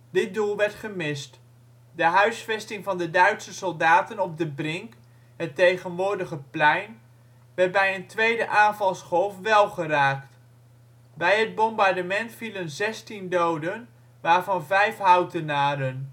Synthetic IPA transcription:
dɪt̚dulˠʋɛɹtχəmɪst | dəɦœɥsfɛstɪŋvɑndədœɥtsəsɔlˠdaːtənɔb̚dəbrɪŋk | ɦətejχənʋʊːɹdəχəplɛjn | ʋɛɹt̚bɛjəntʋejdəʔaːnvɑlˠsχɔlˠfʋɛlˠχəraːkt | bɛjɦəd̚bɔmbɑɹdəmɛntfilənzɛstindowdən | ʋaːɹvɑnvɛjfɦœwtənaːɾən

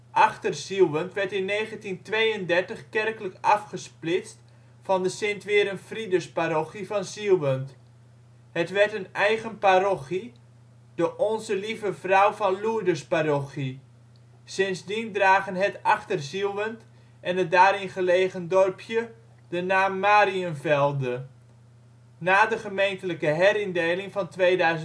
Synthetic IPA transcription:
ʔaχtərsilˠʋəntʋɛrtɪnːeːɣəntintʋejəndɛrtəχkɛrkələkɑfχəsplɪt͡st | fɑndəsɪntʋɪːɾənfridəspaɾoχifɑnsilˠʋənt | hətʋɛrtənɛjɣənpaɾoχi | d̥əʔɔnzəlivəfrɔwfɔnluədəspaɾoχi | sɪnzdindraːɣənɦətaχtərzilˠʋənt | ʔɛnədaːɾɪnχəleːɣəndɔrpʰjə | dənaːmːaːɾiənvɛlˠdə | naːdəχəmejntələkəɦɛɾɪndeːlɪŋfɑntʋeːdœɥzə

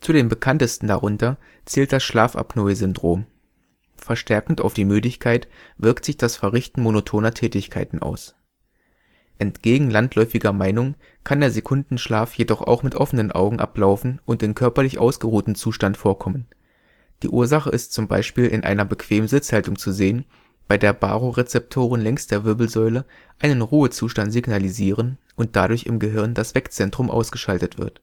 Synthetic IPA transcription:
t͡sudeːmbəkʰantəstn̩da̰ʁʊntɐ | t͡sɛːlt̚d̥asʃlaːfʔa̰pnɔɪzʏndʁoːm | fɛɐʃtɛɐkŋ̩ta̰ʊfd̥iːmyːdɪçkʰaɪt | v̥ɪɐktz̥ɪçd̥asfɛɐʁɪçtn̩monotʰoːnɐtʰɛːtɪçkʰaɪtn̩ʔa̰ʊs | ʔɛntɡ̥eːɡŋ̩lantlɔʏfɪɡɐmaɪnʊŋ | kʰandeːɐzekʰʊndn̩ʃlaːfjedɔχa̰ʊxmɪtʔɔfənənʔa̰ʊɡŋ̩ʔa̰plaʊfn̩ʔʊntɪnkʰœɐpɐlɪçʔa̰ʊsɡ̥əʁuːtn̩t͡suːʃtantfoːɐkʰɔmən | d̥ḭːʔuːɐzaχəʔɪstt͡sʊmba̰ɪʃpiːlʔɪ̰nʔa̰ɪnɐbəkv̥eːmənzɪt͡shaltʊŋt͡suzeːən | b̥aɪdeːɐba̰ːʁoʁet͡sɛp̚tʰoːʁənlɛŋst̚d̥eːɐvɪɐbl̩zɔʏlə | ʔaɪnənʁuːət͡suːʃtantz̥iɡnaliziːʁən | ʔʊnt̚d̥adʊɐçɪ̰mɡəɦɪɐndasv̥ɛkt͡sɛntʁ̥ʊmʔa̰ʊsɡ̥əʃaltətv̥ɪ̰ɐt

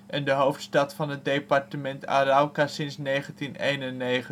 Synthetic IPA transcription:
ʔɛndəɦowftstɑtfɑnɦət̚dejpɑɹtəmɛnta̰ːɾawkaːsɪnsnejχəntinejnənːejχə

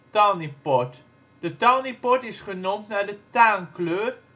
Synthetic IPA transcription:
tanipɔt | d̥ətɑnipɔtɪsχənʊmtnaːɹdətaːnkløːr

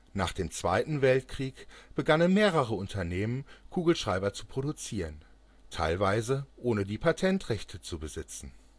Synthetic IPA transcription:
na̰ːχd̥eːmt͡sv̥a̰ɪtn̩vɛltkʁ̥iːkb̥əɡanənmeːʁəʁəʊntʰɐneːmənkʰuːɡl̩ʃʁ̥aɪbɐt͡su̥pʁ̥odut͡siːʁən | tʰa̰ɪlvaɪzəʔoːnədiːpʰatʰɛntʁɛçtʰət͡subəzɪt͡sn̩

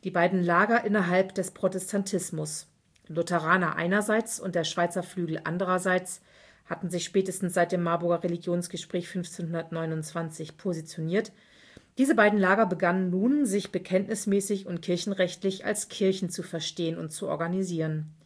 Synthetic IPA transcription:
d̥iːbaɪdn̩laːɡɐʔɪnɐɦalpd̥ɛspʁ̥otɛstʰantʰɪsmʊs | ilʊtʰɛʁ̞aːnɐʔa̰ɪnɐzaɪt͡sʊ̰ntd̥eːɐʃv̥aɪt͡sɐflyːɡl̩ʔa̰ndəʁɐzaɪt͡s | hatn̩zɪçʃpɛːtəstn̩sz̥aɪt̚d̥eːmːaɐbʊɐɡɐʁeliɡjoːnsɡ̥əʃpʁ̥ɛːçfʏnft͡seːnhʊndɐtnɔʏnʊnt͡sv̥ant͡sɪçpʰozit͡sjoniːɐt | d̥iːzəbaɪdn̩laːɡɐbəɡanənːuːnzɪçb̥əkʰɛntnɪsmɛːsɪçʊntkʰɪɐçn̩ʁɛçtlɪça̰lskʰɪɐçn̩t͡sufɛɐʃteːənʊ̰nt̚t͡suɔ̰ɐɡaniziːʁən

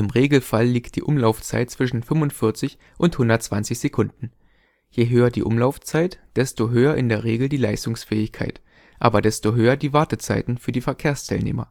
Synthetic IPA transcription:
ʔɪmʁeːɡl̩falːiːkt̚d̥ḭːʔʊmlaʊft͡sa̰ɪt̚t͡sv̥ɪʃn̩fʏmʊntfɪɐt͡sɪç | ʔʊnthʊndɐtt͡sv̥ant͡sɪçz̥ekʰʊndn̩ | jeɦøːɐdḭːʔʊmlaʊft͡saɪtd̥ɛstoɦøːɐʔɪndeːɐʁ̞eːɡl̩diːlaɪstʊŋsfɛːɪçkʰa̰ɪt | ʔaːbɐdɛstoɦøːɐdiːvaɐtət͡saɪtn̩fyːɐdiːfɛɐkʰeːɐstʰaɪlnḛːmɐ̰

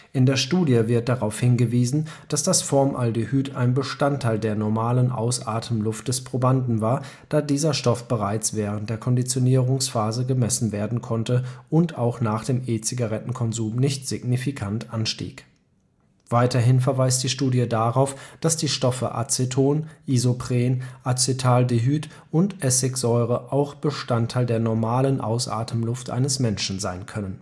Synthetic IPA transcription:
ʔɪndeːɐʃtuːdjəvɪɐt̚d̥aʁaʊfhɪnɡəviːzn̩d̥asd̥asfɔɐmʔaldehyːtʰa̰ɪnbəʃtantʰːaɪldeːɐnɔɐmaːlənʔa̰ʊsʔaːɐtʰəmlʊftəspʁ̥obandn̩vaːɐ | d̥aːdiːzɐʃtɔfb̥əʁ̞aɪt͡sv̥ɛːʁənt̚d̥eːɐkʰɔndit͡sjoniːʁʊŋsfaːzəɡəmɛsn̩veːɐdn̩kʰɔntəʔʊntaʊxnaːχd̥eːmʔeːt͡siɡaʁɛtn̩kʰɔnzuːmnɪçtz̥ɪɡnifikʰantʔanʃtḭːk | v̥aɪtʰɐɦɪnfɛɐvaɪst̚d̥iːʃtuːdjədaʁaʊfd̥asd̥iːʃtɔfə̰ʔa̰t͡setʰoːnʔizopʁ̥eːnʔat͡sɪtʰaːldeɦyːt | ʔʊntʔɛsɪkz̥ɔʏʁəʔaʊxb̥əʃtantʰaɪldeːɐnɔɐmaːlənʔa̰ʊsʔa̰ːtʰəmlʊftʔa̰ɪnəsmɛnʃn̩zaɪnkʰœnən

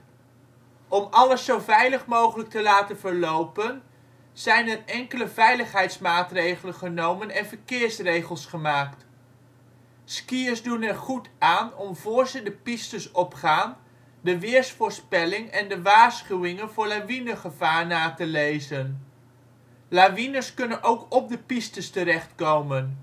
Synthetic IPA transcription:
ɔmɑləsowvɛjləχmowχələk̚təlaːtənvəɹlowpən | z̥ɛjnɛrɛŋkələvɛjləχɦɛjtsmaːtrejχələnχənowmənɛnvəɹkɪːɹsrejχəlˠsχəmaːkt | skiəɹzdunɛɹχutaːnɔmvʊːɹzədəpistəsɔpχaːn | dəʋɪːɹsfʊːɹspɛlɪŋɛndəʋaːɹsχywɪŋənvʊːɹlaʋinəχəvaːrnaːtəlejzən | laʋinəskɵnənʔowkɔp̚dəpistəstəɾɛχtkowmən

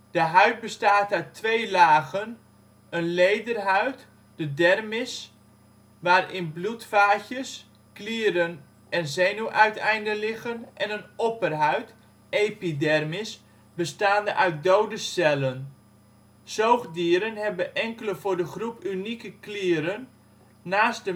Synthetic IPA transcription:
d̥əɦœɥt̚bəstaːtœɥtʰʋejlaːɣən | ənlejdərɦœɥt | d̥ədɛrmɪs | ʋaːrɪnblutfaːçəs | kliːɾən | ʔɛnzejnuʔœɥtɛjndəlɪɣənʔɛnənɔpərɦœɥt | ejpidɛrmɪs | bəstaːndəʔaɥt̚dowdəsɛlən | sowχdiəɾənɦɛbəʔɛŋkələvʊːɹdəχrupynikəklɪːəɾənː | aːst̚də

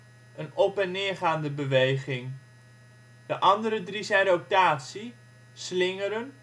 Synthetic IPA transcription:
ənɔpɛnːɪːɹχaːndəbəʋejχɪŋ | d̥əʔɑndəɾədrizɛjnrow̚taːtsi | slɪŋəɾən

